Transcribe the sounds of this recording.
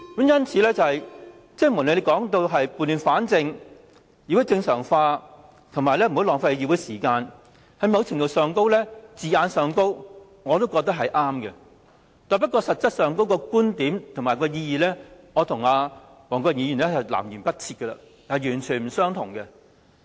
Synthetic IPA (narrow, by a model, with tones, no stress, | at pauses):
kɐ˨˥mjɐ˥nt͡sʰiː˨˥lɛː˥t͡sɐ˨˧hɐ˨j | t͡sɪ˥ŋ̚mu˨˩nle˨˧le˨˧kɔː˨˥ŋt̪̬o˧wɦɐ˨jpuː˨nli˨˧nfaː˨˥nt͡sɪ˧ŋ | iː˧wu˨˥t͡sɪ˧ŋsœː˨˩ŋfaː˧ | t̪ʰʊ˨˩ŋmaː˨˩jlɛː˥m̩˨hwlɔː˨˩ŋfa˧jiː˧wu˨˥jsiː˨˩kaː˧n | hɐ˨˧jmɐ˨˧wt͡sʰɪ˨˩ŋt̪o˨wsœː˨ŋko˥wlɛː˥t͡siː˨aː˨˧nsœː˨ŋko˥w | ŋɔː˨˧t̪o˥wkɔː˧k̚t̪ɐ˥k̚ɦɐ˨jʔaː˥mkɛ˧ | t̪aː˨˧pɐ˥t̚kːɔː˧sɐ˨t̚t͡sɐ˥t̚sœː˨˧ŋko˥wkɔː˧kuː˥nt̪iː˨˥mt̪ʰʊ˨˩maː˨˩jkɔː˧jiː˧jiː˨lɛː˥ŋɔː˨˧t̪ʰʊ˨˩ŋaː˧ | wɔː˨˩ŋkɔː˧k̚jiː˧jyː˨˩nlɛ˥hɐ˨˩jla̰ː˨˩mjyː˨˩npɐ˥t̚t͡sʰiː˧t̚kːɛ˧la̰ː˧˨ | ɐ˨jyː˨˩nt͡ʃʰyː˨˩nm̩˨˩sœː˥ŋt̪ʰʊ˨˩ŋkɛ˧